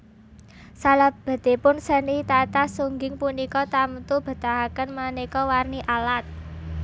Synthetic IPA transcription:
salab̥a̤d̪̥e̤pʊnsənit̪at̪asuŋɡɪŋpunikɔt̪amt̪ub̥ə̤t̪aɦakənmanekɔwarniʔalat̪̚

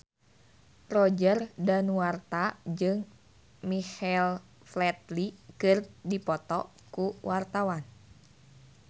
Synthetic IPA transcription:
rɔd͡ʒərdanwart̪ad͡ʒɨŋ | mixɛl | flɛt̪̚likɨrdipɔt̪ɔ | kuwʔart̪awan

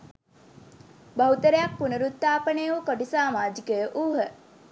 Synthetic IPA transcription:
bɐɦut̪əɾejak̚punəɾut̪ːaːpənejʋukoʈisaːmaːd͡ʒikəjəʔuːɦə

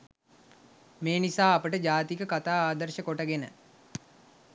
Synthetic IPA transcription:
meːnisaːɐpəʈəd͡ʒaːt̪ikəkat̪aːaːd̪əɾʃəkoʈəɡenə̰

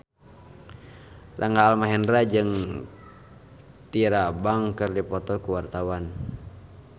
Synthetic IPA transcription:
rʔaŋɡaːlmaɦɛndɾad͡ʒɨŋ | t̪iɾabaŋkɨrdipɔt̪ɔkuwart̪awan

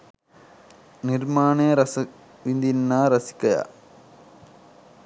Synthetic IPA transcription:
niɾmaːɳeːɾɐsɐ | ʋind̪inːaːɾɐsi̥kːɐja̰

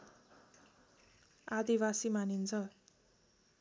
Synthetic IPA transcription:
ad̪ibasimanint͡sʰʌ

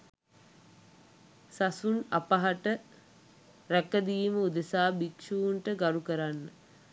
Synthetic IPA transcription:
sasunapaɦaʈə | ɾækəd̪iːməud̪əsaːbikʂuuɳʈəɡaɾukəɾanːə

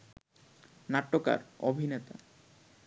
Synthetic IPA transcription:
naʈːoka̰ɾobʱinet̪a̰

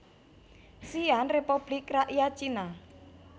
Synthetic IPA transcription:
sianrepub̥likraʔijat͡ʃina

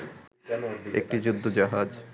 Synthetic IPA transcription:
ḛk̚ʈid͡ʑud̪ʱːod͡ʑaɦad͡ʑ

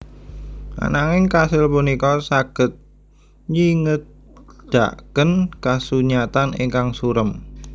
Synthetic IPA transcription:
ʔa̰naŋɪŋkasɪlpunikɔsaɡ̥ə̤t̪̚ | ɲiŋət̪̚ | d̪̥a̰ʔkənkasuɲat̪anḛŋkaŋsuɾəm

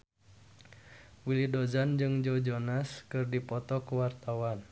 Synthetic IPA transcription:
wilidozand͡ʒɨŋd͡ʒɔd͡ʒɔnaskɨrdipɔt̪ɔkuwart̪awan

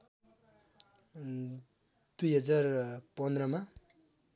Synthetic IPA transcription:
d̪ujɦʌd͡zarpʌnd̪ɾʌma

